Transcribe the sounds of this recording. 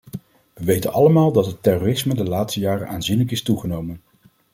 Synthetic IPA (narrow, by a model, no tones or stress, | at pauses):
ʋəʋejtə̰nɑləmaːlˠdɑtɦətɛroːrɪsmədəlaːtstəjaːrə̰nʔaːnzinləkɪstuχənowmən